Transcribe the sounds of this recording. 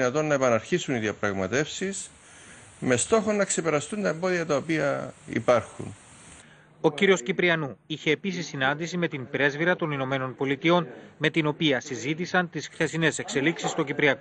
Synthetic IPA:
nɐt̪o̞nːɐepɐnɐɾçisuniðiɐpɾɐɣmɐt̪e̞fsis | me̞st̪o̞xo̞nːɐkse̞pe̞ɾɐst̪unt̪ɐembo̞ðiɐt̪ɐopiɐḭpɐɾxṵn | o̞ciɾio̞scipɾiɐnuiçe̞ːpis̬isːinɐnd̪isime̞t̪imbɾe̞zviɾɐt̪o̞nino̞me̞no̞npo̞lit̪io̞nme̞t̪ino̞piɐsizit̪isɐnt̪isxθe̞sine̞se̞kse̞liksist̪o̞cipɾiɐko

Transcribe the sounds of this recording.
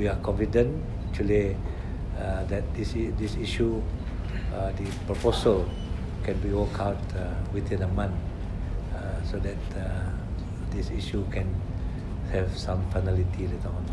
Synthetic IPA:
wiakɔ̃nfidə̃n | ɛk̚t͡ʃuəli | dɛt̚disdisiʃu | dipɹɔposəl | kɛ̃nbiwɔkʰawtwit̪ĩnəmãn | sodɛt̚ | disiʃukʰɛ̃n | hɛvsãmfajnɛlitʰiletəɔ̃n

